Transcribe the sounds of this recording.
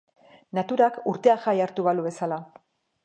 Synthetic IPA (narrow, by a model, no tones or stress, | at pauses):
nat̪uɾakuɾt̪e̞axajaɾt̪uβaluβe̞sala